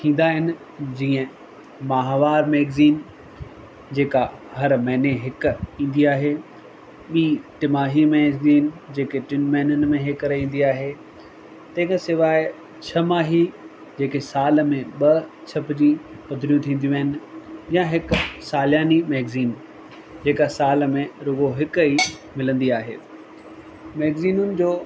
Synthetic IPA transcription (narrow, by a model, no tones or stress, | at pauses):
t̪ʰĩːn̆d̪aɦɪnɪ̆ | d͡ʑĩːə̃ | maːɦʋaːɾmeːɡziːn | d͡ʑeːkaɦɐɾmɛːneɦɪkĩːn̆d̪iaːɦe | ɓiːʈɪmaːɦimeziːnd͡ʑeːkeʈɪnmɛ̃ːnənɪmẽɦɪkɐɾeĩːn̆d̪iaːɦe | t̪ɐ̃ɦɪ̃kasɪʋaːɪ | t͡ɕʰɐmaːɦi | d͡ʑeːkesaːləmẽɓɐ | t͡ɕʰɐpd͡ʑiːpɐd̪ʱɪɾijũt̪ʰĩːnd̪iũəɦɪnɪ̆jãɦɪksaːljaːnimɛːɡziːn | d͡ʑeːkasaːlmẽɾʊɡoɦɪkɦi | mɪlə̃nd̪iaːɦḛː | mɛːɡziːnʊnɪ̆d͡ʑoː